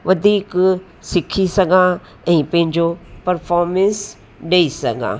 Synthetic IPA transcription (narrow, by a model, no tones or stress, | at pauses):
ʋɐd̪ʱiːk | sɪkʰisɐɡʱã | ɛ̃ːpɐ̃ɦɪ̃ɲd͡ʑopɐɾfɔːɾmɛ̃ns | ɗeisɐɡʱã̰ː